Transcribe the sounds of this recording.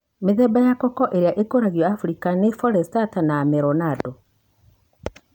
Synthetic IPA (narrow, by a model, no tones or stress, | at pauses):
meðɛbajakɔkɔʔeɾejaʔekoɾaɣjɔafuɾikanefɔɾɛstatanaːmɛɾɔnadɔ